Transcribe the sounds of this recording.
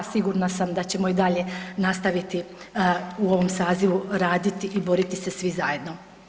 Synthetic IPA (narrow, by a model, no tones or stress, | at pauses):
siɡuɾnasamd̪at͡ɕe̞mo̞id̪aʎe̞nast̪aʋit̪i | uo̞ʋo̞msaːziʋuɾaːd̪it̪iʔibo̞ɾit̪ise̞sʋizaje̞d̪no̞